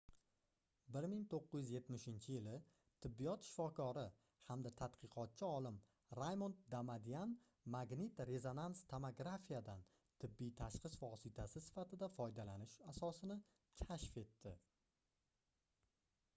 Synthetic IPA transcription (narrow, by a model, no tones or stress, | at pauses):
bɪɾmɪŋt̪ʰoqːɨjɪzje̞t̪mɪʃɪnt͡ʃʰɪjɪlɪ | t̪ʰɪbːijɒt̪ʃɪ̥fɒkʰɒɾɪ | hamd̪at̪ʰat̪qʰɨqʰɒt̪̚t͡ʃʰɪɒlɪm | ɾajmont̪d̪amad̪ijan | maɡnɪt̪ɾe̞zo̞nanst̪ʰomoɡɾafijad̪an | t̪ʰɪbːijt̪ʰaʃqɨsvɒsɪt̪ʰasɪsɪ̥fat̪ʰɪd̪afɒjd̪alanɪʃasɒsɪnɪ | kʲʰaʃfe̞t̪ːɪ